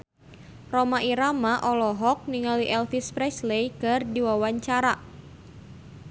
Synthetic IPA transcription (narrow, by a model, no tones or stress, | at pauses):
romaʔiɾamaʔɔlɔɦɔk̚niŋaliʔɛlfispɾɛslejkɨrdiwawaɲt͡ʃaɾa